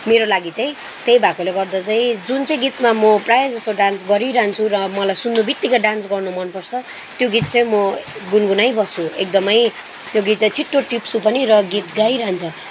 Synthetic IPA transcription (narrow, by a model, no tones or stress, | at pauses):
meɾolaɡit͡saĩ | t̪ejbʱakoleɡʌrd̪at͡saĩd͡zunt͡saĩɡit̪mamʌprajod͡zʌst̪oɖãnsɡʌɾiɾaɦant͡sʰuɾʌmʌlajsunːubit̪ːikʌɖansɡʌrnumʌnpʌrt͡sʰʌ | t̪joɡit̪̚t͡saĩmʌɡunɡunajbʱʌsʰuek̚d̪ʌmʌj | t̪joɡit̪̚t͡saĩt͡sʰiʈːoʈipsupʌnirʌɡit̪ɡajɾʌaɦnt͡sʰʌ